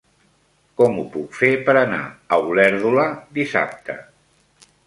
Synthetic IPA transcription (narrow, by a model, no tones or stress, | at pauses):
kɔmupukfepəɾəna̰əwulɛɾðuləd̪isa̰p̚t̪ʰə̰